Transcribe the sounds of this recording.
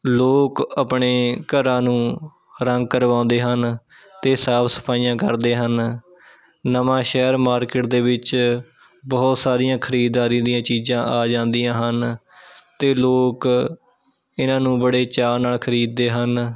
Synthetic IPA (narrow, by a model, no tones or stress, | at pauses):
loːkəpɳeːkəɾãːnũː | ɾəŋɡ̚kəɾʋãːʊ̃nd̪eːɦən | t̪eːsaːpʰsə̥pʰaːijãːkə̰ɾd̪eːɦən | əmãːʃɛːɾmaːɾkɪʈ̚d̪eːʋɪt͡ʃ | bəːt̪saːɾijãːkʰəɾiːd̪aːɾĩːd̪ijãːt͡ʃiːzãːʔaːd͡ʒãːnd̪ijãːɦən | t̪eːloːk | ɪnãːnũːbəɽeːt͡ʃaːnaːlkʰəɾiːd̪̚ːeːɦən